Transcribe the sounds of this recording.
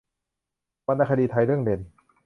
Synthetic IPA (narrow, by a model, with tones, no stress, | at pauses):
wa˧nːa˧˩kʰa˧diː˧t̪ʰa˧jɾɯ˥˩əŋde˧˩n